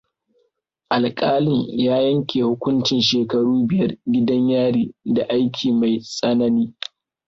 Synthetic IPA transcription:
ʔa˨lkʼaː˦lɪ˨ɲjaː˦jɐ˦ŋkʲeː˨hʊ˦kʷʊ˦nt͡ʃɪ˨nʃeː˨kɐ˦ɽuː˦bɪ˨jɐ˦rɡʲɪ˦dɐ˦ɲjaː˦ɽiː˦da˨ʔa˦jkʲʰiː˨ma˨jsʼɐ˦nɐ˦niː˦

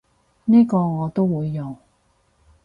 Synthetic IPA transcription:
niː˥kɔː˧ŋɔː˨˧t̪o˥wwuː˨˧jːɔ˨ŋ

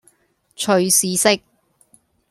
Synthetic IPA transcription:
t͡ʃʰɵ˨ɥsiː˨sɪ˥k̚

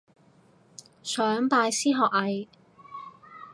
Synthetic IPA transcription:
sœː˨˥ŋpaː˧jsiː˥ɦɔː˨k̚hɐ˨j

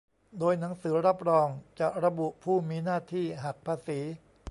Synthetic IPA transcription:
doː˧jna˩˦ŋsɯː˩˦ɾa˦˥p̚ɾɔː˧ŋt͡ɕa˨˩ɾa˧bu˨˩ʔpʰuː˥˩miː˧naː˥˩t̪ʰiː˥˩ɦa˨˩k̚pʰaː˧siː˩˦

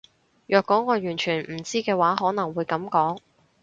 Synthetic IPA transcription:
jœː˨˧kːɔː˨˥ŋɔː˨˧jyː˨˩nt͡ʃʰyː˨˩nm̩˨˩t͡siː˥kɛː˧waː˨˥ɦɔː˨˥nɐ˨˩ŋwuː˨˧jkɐ˨˥mkɔː˨˥ŋ

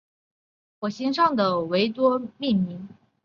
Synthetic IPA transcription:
xwɔ˨˩ɕi˥nʂɑ˥˩ŋd̪ə˩we˧˥ɪt̪wɔ˥mi˥˩nmi˧˥ŋ

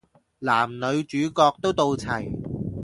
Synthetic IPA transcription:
laː˨˩mnɵ˨˧ɥt͡ʃyː˨˧kɔː˧k̚t̪o˥wt̪o˧wt͡sʰɐ˨˩j

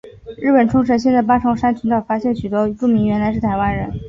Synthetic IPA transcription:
ɻɻ̩˥˩pə˨˩nʈ͡ʂʰʊ˥ŋʂ̬ɻɤ˧˥ɕjɛ˥˧nt͡sa˥˩ɪpa˥ʈ͡ʂʰɑ˥ŋʂa˥nt͡ɕʰy˧˥nt̪ɑ˥˩fa˥ɕjɛ˥˩nɕy˨˩t̪wɔ˥ʈ͡ʂu˥˩mi˧˥ŋɥɛ˧˥nla˧˥ɪʂɻ̩˥˩t̪ʰa˧˥ɪwa˥nɻə˧˥n

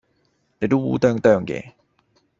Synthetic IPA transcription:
ne˨˧˥t̪o˥ṵ˨˥t̪œː˥˧ŋt̪œː˥˧˩ŋkɛ̰ː˧˨

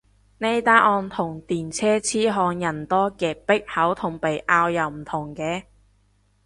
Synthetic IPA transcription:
ne˧jt̪aː˥ʔɔː˧nt̪ʰʊ˨˩ŋt̪iː˨˩nt͡sʰɛː˥t͡sʰiː˥ɦɔː˧ŋjɐ˨˩nt̪ɔː˥kɛː˧pɪ˥k̚hɐ˨˥wt̪ʰʊ˨˩ŋpe˨jʔaː˧wjɐ˨wm̩˨˩t̪ʰʊ˨˩ŋkɛː˧

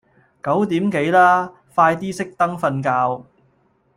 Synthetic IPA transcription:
kɐ˨˥wt̪iː˨˥mke˨˥jlaː˥ | faː˧jt̪iː˥sɪ˥k̚t̪ɐ˥ŋfɐ˧nkaː˧w

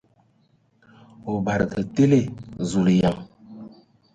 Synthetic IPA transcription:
o˨ba˨ɾə˨kə˨te˦le˦˨zu˨li˨ja˨ŋ

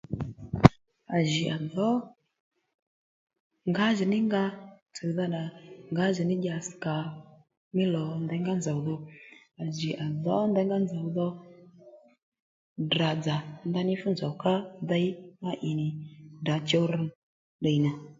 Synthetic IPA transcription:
a˨ʒi˨ʔa˨ðɔ˨˦ | ŋɡa˨˦ʒi˨nɪ˦ŋɡa˧ | t͡sə˨ða˦ɗa˨ŋɡa˨˦ʒi˨nɪ˦ɗʲa˨ska˨ | mɪ˦lɔ˨nd̪ɛ˧˦ŋɡa˦nd͡za˨wðɔ˧ | a˨ʒi˨ʔa˨ðɔ˨˦nd̪ɛ˧˦ŋɡa˦nd͡za˨wðɔ˧ | da˨d͡za˨nd̪a˦nɪ˦fu˦nd͡za˨wka˦ða˦i˦ma˦ʔi˨nɪ˨da˨˦t͡ʃɔ˦ɾ | ɗə˨jna˨

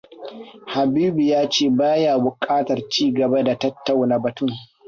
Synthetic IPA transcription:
ha˨biː˦bi˨jaː˦t͡ʃeː˦˨baː˦jaː˨bʊ˨kʼaː˦tɐ˨rt͡ʃiː˦ɡɐ˨ba˦da˨tɐ˦tːa˨wna˨bɐ˨tʊ˦˨ŋ

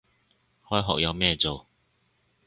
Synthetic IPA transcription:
hɔː˥jɦɔ̰ː˨k̚jɐ˨˧wmɛː˧t͡so˨˩w

